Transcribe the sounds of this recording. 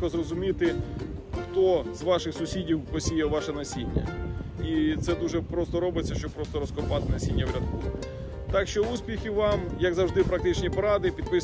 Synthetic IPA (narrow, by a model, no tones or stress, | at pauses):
ɔzrɔzʊmʲit̪ɪ | xt̪ɔzʋɑʃɪxsʊsʲidʲiwpɔsʲijɛʋɑʃɛnɐsʲinʲːɐ̰it̪sɛd̪uʒɛpɾɔst̪ɔɾɔbɪt͡sʲːɐʃt͡ʃɔb̚pɾɔst̪ɔɾɔskɔpɑt̪ɪnɐsʲinʲːɐwɾʲɐd̪̚kɔ | t̪ɑkʃt͡ʃɔusʲpʲixʲiʋɑmjɐɡzɐwʒd̪ɪpɾɐkt̪ɪt͡ʃnʲipɔɾɑd̪ɪpʲid̪̚pɪ